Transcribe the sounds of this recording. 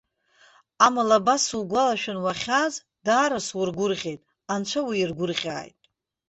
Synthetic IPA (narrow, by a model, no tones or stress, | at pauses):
amalabasulɡʷalaʃᶣɪnwaχʲaz | daːɾaswurɡʷʊrʁʲe̞jtʼ | ant͡ʃʷʰawiːrɡʷʊrχʲʼa̰ːjtʼ